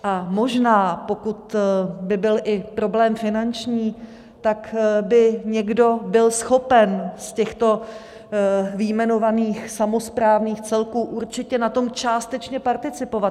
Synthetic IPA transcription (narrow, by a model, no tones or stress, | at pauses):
ʔamo̞ʒnaːpo̞kut̪bɪbɪlʔɪpɾo̞blɛːmfɪnant͡ʃɲiː | t̪akbɪɲɛɡdo̞bɪlsxo̞pɛnscɛxt̪o̞ | vɪjmɛno̞vaniːxsamo̞spɾaːvniːxt͡sɛlkuːʔuɾt͡ʃɪcɛnat̪o̞mt͡ʃaːst̪ɛt͡ʃɲɛpaɾt̪ɪt͡sɪpo̞vat̪